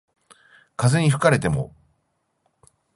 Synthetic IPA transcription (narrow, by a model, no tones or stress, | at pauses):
kazeɲ̟iɸɯ̟̥kaɾe̞t̪e̞mo̞̰